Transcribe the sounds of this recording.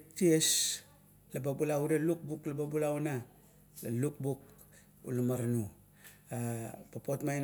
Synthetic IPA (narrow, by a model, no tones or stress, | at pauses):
ties | lababulaudaluk̚buklababulauna | laluk̚buk | ṵlamaɾanu | apapotmajn